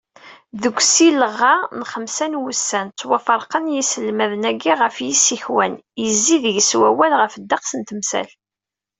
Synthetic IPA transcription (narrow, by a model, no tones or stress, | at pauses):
ðəɡʷːsiləʁːɑnχəmsænwusːænt͡sːwɑfəɾˤqənjisəlːmæðənæɡːiʁəfjisiçwænjəzːiðəʝswæwælʁəfəd̪ːɑqsənt̪əmsæ̰l